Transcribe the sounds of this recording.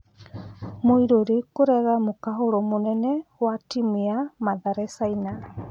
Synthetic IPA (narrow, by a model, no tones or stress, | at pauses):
moiɾoɾekoɾɛɣamokaɦoɾɔmonɛnɛwatimiamaðaɾɛsaina